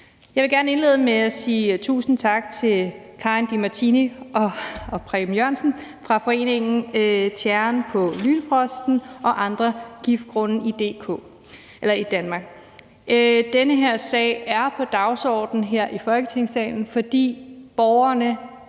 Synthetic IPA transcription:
jɑɪʋe̝ɡ̥æɐnəe̝nle̝ð̞ˠəmeæsiːt͡sʰṵːsn̩t͡sʰɑ̈ɡ̥̚t͡sʰe̝l | kʰɑ̈ind̥imæt͡sʰiniɒ̽pʰʁimjøɐ̰nsn̩fʁɑ̈fɒ̽e̝̰ːne̝ŋn̩t͡sʰjæɐnpʰɒ̽lyːnfʁɒ̽sd̥n̩ʔɒ̽ʔɑ̈nd̥ʁɐɡ̥ifd̥̚ɡ̥ʁɔ̽n̩id̥e̝̰ːkʰɔ̰ː | ʔelɐid̥ænmɑ̈ːɡ̥̚ | d̥enəɦe̝ɐ̰sɛ̰ɪæɐpʰɒ̽d̥ɑ̈ʊsɒ̰ːd̥n̩ɦeɐ̰ʔifɒ̽lɡ̥ət͡sʰe̝ŋsɛ̰ːɪn̩fɒ̽d̥ḭːb̥ɒʊɐnə

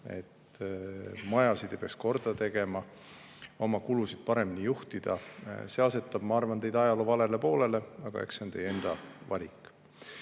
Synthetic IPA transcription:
e̞̰t̪ː | mɑjɑsid̪ejpeɑksko̞rd̪̥ɑt̪e̞ɡ̥e̞mɑ | o̞mɑkulusid̪̥̚pɑɾe̞mːinijuht̪id̪̥ɑse̞ɑse̞t̪ːˑɑb̥̚mɑɑrvɑnt̪e̞jd̪ɑjɑlovɑle̞le̞po̞ːle̞le̞ɑɡ̥ɑ̰e̞̰kseo̞nt̪e̞je̞nd̪̥ɑvɑ̰lʲikːˑ

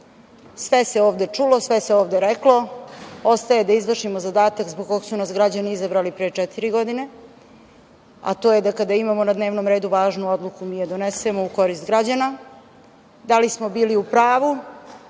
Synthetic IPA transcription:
sʋese̞oːʋd̪e̞t͡ʂulo̞sʋeseoːʋd̪e̞ɾeklo̞ost̪aje̞d̪aizʋrʂʃimozad̪aːt̪akzboɡ̚kːo̞ɡsunasɡɾad͡ʑaniizabɾalipɾejet͡ʂɛt̪iɾiɡo̞d̪ine̞ | a̰t̪oːjed̪akad̪aimamonad̪ne̞ːʋnomɾe̞ːd̪uʋaːʒnuod̪lˠukumijed̪onesemo̞uko̞ɾist̪ɡɾad͡ʑana | d̪alismo̞biːliupɾaːʋu

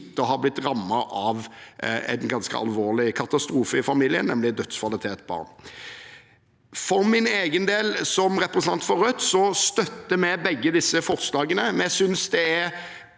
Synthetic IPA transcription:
t̪ːəɔɦɑɾblɪt̪ʁɑmːɑʔɑʋɛ̰nɡɑnskə̰ɑ̰lʋoːʁlɪkʰɑt̪ɑst̪ɾuːfəɪfɑmiːlɪə̰nɛmlɪd̪œt̪skʰʋɑlɪt̪ʰeːt̪bɑ̰ːʁn | fɔɾmɪneːɡənd̪eːlsɔmʁɛpɾəsnɑnt̪fɔʁœt̪sɔst̪œt̪ːəmɛbɛɡːəd̪ɪsːəfɔʁslɑːɡənəmɛnjæɪsʏnsd̪ɛæɾ

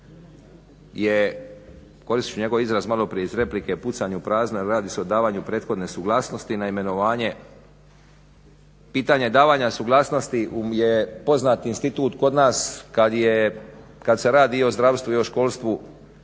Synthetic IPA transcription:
je | ko̞ɾist̪i̥t͡ʃuɲe̞ɡo̞ʋizɾazmalo̞pɾijeizɾe̞plikeput̪saɲupɾaːzneɾaːd̪iseo̞d̪aːʋaːɲupɾe̞ːt̪xo̞d̪ne̞suɡlˠaːsno̞st̪inaime̞no̞ʋaːɲe̞ | piːt̪aɲe̞d̪aːʋaːɲasuɡlˠaːsno̞st̪iʔujepo̞znaːt̪inst̪it̪uːt̪ko̞d̪naːskad̪jekad̪se̞ɾaːd̪io̞zd̪ɾaʋst̪ʋuio̞ʃko̞lˠst̪ʋu

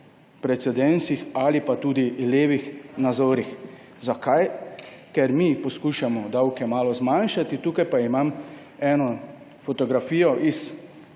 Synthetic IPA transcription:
pɾɛt̪sɛd̪ɛnsixalipat̪uːd̪ileːʋixnazoːɾix | zakajkɛɾmiːpɔskuːʃamɔd̪awkɛmaːlɔzmanʃat̪it̪uːkajpaimam | ɛːnɔ | fɔt̪ɔɡɾafiːjɔʔis

